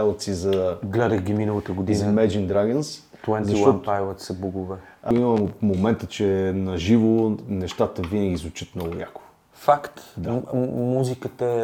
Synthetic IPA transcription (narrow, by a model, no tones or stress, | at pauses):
ɛlˠət̪sizɐɡlɛd̪əɣɡʲiminəlˠət̪əɡod̪iinzɐmɛd͡ʒind̪ɾaɡəns | t̪wɛnzɐiʃw̪ɔajvˠət̪sɐbuɡʊvɛ | iməmomɛnt̪ət͡ʃɛnɐʒivonɛʃt̪at̪əvinəɡ̟ʲizvʊt͡ʃət̪mnɔɡʊja̰kʊ̥ | fakt̪d̪amuzikət̪ə